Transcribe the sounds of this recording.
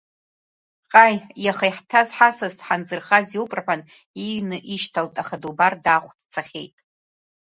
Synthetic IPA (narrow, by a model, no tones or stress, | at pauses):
qʼajjaχajħtʰazħasaztħanzɨrχazjowpʼraħʷan | inɨʔiʃtʰaltʼaχadubardaχʷdt͡sʰaχʲejtʼ